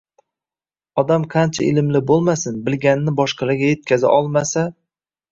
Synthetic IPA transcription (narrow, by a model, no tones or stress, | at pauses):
ɒd̪amqʰɑnt͡ʃʰaɪlɪmlɪbolˠmasɪnbɪlɡʲanɪnɪbɒʃqɑlaɡʲaje̞t̪̚kʲazɪ̰ʔɒlˠmasa